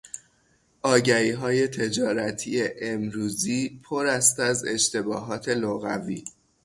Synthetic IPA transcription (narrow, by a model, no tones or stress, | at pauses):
ʔɒːɟæɾiːɦɒːje̞t̪ʰe̞d͡ʒɒːɾæt̪ʰiːeʔemɾuːziːpʰoɾæst̪æze̞̰ʃt̪e̞bɒːɦɒːt̪ʰe̞loɣæ̰vḭː